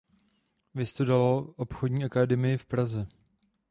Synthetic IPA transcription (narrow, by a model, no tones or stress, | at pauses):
vɪst̪udaloʔopxodɲiːʔakadɛmɪjɪfpɾazɛ